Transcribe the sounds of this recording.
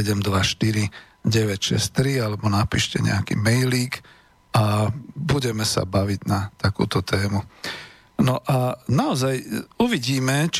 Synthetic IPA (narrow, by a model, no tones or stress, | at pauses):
ɛɟɛmd̪ʋaʃt̪iɾi | ɟɛʋɛcʃɛ̰st̪ɾialɛbɔnapiːʃcɛ̰ɲɛ̰akḭːmɛjliːk | abuɟɛmɛsa̰baʋiɟnat̪akṵːt̪ɔt̪ɛːmu | nɔʔanaɔzajuʋiɟiːmɛt͡ʃ